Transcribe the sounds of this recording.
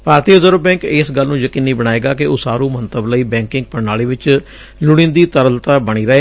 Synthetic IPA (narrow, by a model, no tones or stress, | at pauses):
bʱaːɾt̪iːəzəɾəbɛ̃ːŋkɪsɡəlːnũːjəkiːniːbəɽ̃aːeːɡaːkɪʊsaːɾũːmənt̪əbləiːbɛ̃ːŋkɪ̃ŋɡ̚pəɾnaːliːʋɪt͡ʃ | lʊɽ̃ĩnd̪iːt̪əɾəlt̪aːbəɽ̃iːɾəeː